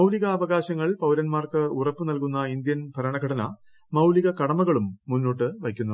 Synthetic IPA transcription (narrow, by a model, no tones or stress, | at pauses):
mɐwliɣɐːʋɐɣaːɕɐŋːɐɭpɐwɾɐnmaːrkɨurɐpːɨnɐlkunːɐind̪jɐnbʱɐɾɐɳɐɡʱɐɽɐnɐ | mɐwliɣɐkɐɽɐmɐɣɐɭumːunːo̞ːʈːɨʋɐjkʲːunːɐ